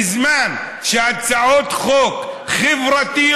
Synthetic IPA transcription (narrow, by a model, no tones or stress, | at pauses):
zmaːn | ʃaːd̪saʕoːt̪xoːkxɪvɾˤɑt̪i